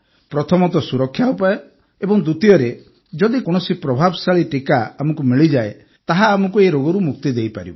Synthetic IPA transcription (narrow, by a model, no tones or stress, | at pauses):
pɾɔt̪ʰɔmɔt̪ɔsuɾɔkʰːjaupajɔ | ebɔŋd̪ut̪iɔɾe | d͡ʒɔd̪ikɔɽ̃ɔsipɾɔbʱabɔsaɭiʈikaamɔkumiɭid͡ʒae | t̪aɦaːmɔkueɾoɡɔɾumuk̚t̪id̪ejpa̰ɾḭbɔ